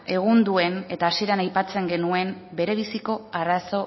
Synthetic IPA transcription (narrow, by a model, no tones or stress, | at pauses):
e̞ɣ̞und̪ue̞ne̞t̪aːsie̞ɾanajpat͡se̞ŋɡe̞nue̞mbe̞ɾe̞β̞isiko̞araso̞